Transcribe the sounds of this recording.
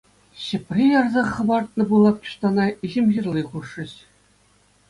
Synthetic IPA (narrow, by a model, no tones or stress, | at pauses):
ɕɘ̆pʲrʲijɑrzɑχːɤ̆bɑrt̪̚nɤ̆bulˠɑp̚t͡ɕ̪u̥ʂt̪ɑnɑiʑɘ̆mʲʑirʲlʲiχuʂːɘ̆ɕ